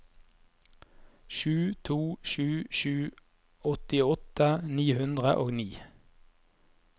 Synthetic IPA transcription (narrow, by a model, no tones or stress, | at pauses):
ʃʉːt̪ʰuːʃʉːʃʉː | ɔt̪ɪɔt̪əniːhʉnd̪ʁəʔo̰ːɡniː